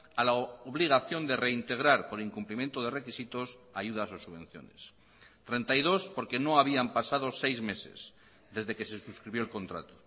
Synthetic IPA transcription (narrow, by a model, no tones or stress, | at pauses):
alaoβliɣ̞aθjo̞nd̪e̞reint̪e̞ɣ̞ɾaɾpoɾiŋkumplimje̞nt̪oð̞ere̞kisit̪o̞sajuðasosuβ̞ẽ̞n̟θjo̰nes | t̪ɾe̞nt̪ajðo̞spo̞ɾke̞no̞aβiampasaðosejzme̞sḛs | ðe̞zðekese̞suskɾiβjoelko̞nt̪ɾa̰t̪o